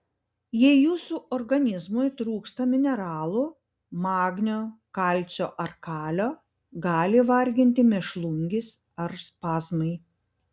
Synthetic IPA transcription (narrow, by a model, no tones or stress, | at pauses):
jɛɪjuːsuːʔɔɾɡɐnʲɪzmʊjt̪ɾuːkst̪ɐmʲɪnʲɛɾɑːlˠu | mɑːɡnʲoːkɑlʲt̪sʲoːʔɐɾkɑːlʲoː | ɡɑːlʲɪʋɐɾʲɡʲɪnʲt̪ʲɪmʲɛʃlˠʊŋʲɡʲɪs | ɐɾspɑːzmɐɪ